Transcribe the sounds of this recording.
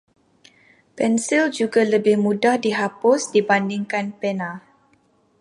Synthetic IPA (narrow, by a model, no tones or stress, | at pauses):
pɛnsild͡ʒuɡaləbɪhmũdahdiɦapʊsdibandiŋkanpɛna